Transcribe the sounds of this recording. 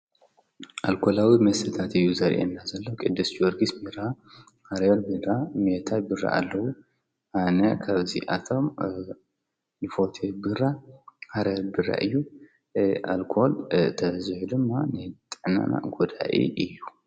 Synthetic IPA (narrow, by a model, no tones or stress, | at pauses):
ʔalkʰo̞lawimɐsɨt̪ʰat̪ɨjːuzɐɾʔḛnːazɐlːɐwkʼɨd̪ːɨsd͡ʒɔɾɡismɨɾa | haɾɛlbɨamet̪ʰajbɨrːa̰ʔa̰lːɐwu | ʔanɐkʰaβzḭʔat̪ʰo̞m | nɨfot̪ʰebɨɾːahaɾelbɨɾa̰ʔɨjːu | ʔa̰lkʰolt̪ʰɐzɨħud̪ɨmːanɨt̪ʼɨʕna̰na̰ɡud̪a̰ʔḭɨjːu